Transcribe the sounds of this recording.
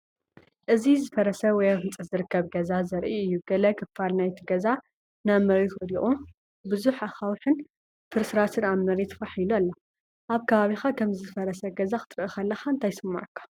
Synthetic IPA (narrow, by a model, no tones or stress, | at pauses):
ʔɨzizɨfɐɾɐsɐwɔjaβɨnt͡sʼzɨɾɨkʰːɐβɡɐzazɐɾʔiɨjːuɡ̥ɐlɐkʰɨfːalnajt̪ʰiɡɐza | namɐɾit̪wɔd̪iʔʼu | bɨzuħaxawħɨn | fʰɨɾsɨɾat̪ʰɨɾamːɐɾet̪ʰfaħilualːɐ | ʔaβkʰɐβaβixakʰɐmzɨfɐɾɐsɐɡɐzaxɨ̥t̪ʼɨɾʔixɐlːɐxaɨnt̪ʰajsɨmːa̰ʕkʰːḁ